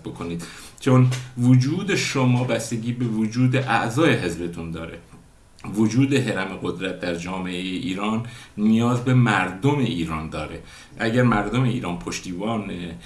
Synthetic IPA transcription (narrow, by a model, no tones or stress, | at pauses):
bokʰoniːd̪t͡ʃʰonvod͡ʒuːd̪e̞ʃomɒːbæst̪eɟiːbe̞vod͡ʒuːd̪eʔæʔzɒːjeɦezbe̞t̪ʰund̪ɒ̰ːɾe̞̰ | vod͡ʒuːd̪e̞ɦeɾæmeɡo̞d̪ɾæt̪̚d̪æɾd͡ʒɒːme̞ʔejeʔiːɾɒːnːijɒːzbe̞mæɾd̪ome̞ʔiːɾɒːnd̪ɒːɾe̞ | ʔæɟæɾmæɾd̪o̞me̞ḭːɾɒːnpʰoʃt̪iːbɒːne